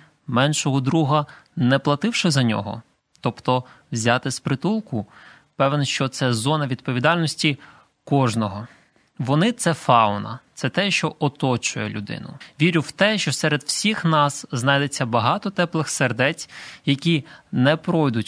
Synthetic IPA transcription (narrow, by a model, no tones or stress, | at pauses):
mɛnʃɔɦɔd̪ɾuɦɐ | nɛplˠɐt̪ɪwʃɪzɐnʲɔ̰ɦɔ̰ | t̪ɔpt̪ɔ | wzʲɑt̪ɪspɾɪt̪ulˠkʊ | pɛʋnɔʃt͡ʃɔt̪sɛzɔnɐʋʲid̪̚pɔʋʲid̪ɑlʲnɔsʲtʲi | kɔʒnɔɦɔ | ʋɔnɪt̪sɛfɑʊnɐ̰t̪sɛt̪ɛʃt͡ʃɔɔt̪ɔt͡ʃʊjɛ̰lʲʊ̰d̪ɪ̰nʊ̰ʋʲiɾʲʊwt̪ɛʃt͡ʃɔsɛɾed̪wsʲixnɑsznɑjd̪et͡sʲːɐbɐɦɑt̪ɔt̪ɛplˠɪxserd̪ɛt͡sʲjɐkʲinɛpɾɔjd̪ʊtʲ